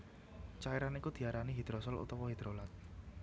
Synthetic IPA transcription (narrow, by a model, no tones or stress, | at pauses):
t͡ʃaiɾanikud̪̥i̤aɾaniɦid̪̥ɾosɔlṵt̪ɔwɔɦid̪̥ɾolat̪̚